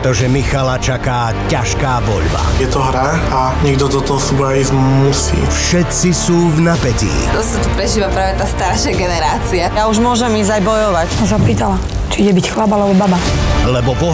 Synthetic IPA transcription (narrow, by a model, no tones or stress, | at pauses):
t̪ɔʒɛmixalat͡ʃakaː | caʃkaːʋɔ̰ʎba̰jɛt̪ɔɦɾa | a | ɲɛɡd̪ɔt̪ɔt̪ɔɔsubaizmusḭːfʃɛt̪sisuːvnapɛcḭːd̪ɔst̪ɔt̪upɾɛʒiːʋapɾaːʋɛt̪aːst̪aɾʃaɡɛnɛɾaːt͡siajauʒmʊɔʒɛmiːzajbɔjɔʋacsɔ̃s̬aɔpiːt̪ala | t͡ʃiiɟɛbicxlabalɛbɔbabalɛbɔpɔ